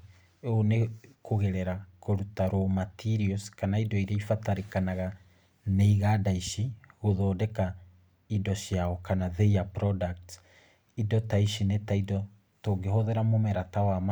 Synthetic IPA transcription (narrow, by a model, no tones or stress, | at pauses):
onekoɣɛɾɛɾakoɾutaɾomatʰiɾiɔskanaidɔiɾaifataɾekanaɣa | neiɣadaiʃiɣoðɔːdɛka | idɔʃiaɔkanaðeapɾɔdak̚t | idɔtaiʃinetaidɔ | toːɡeɦoðeɾamomɛɾatawam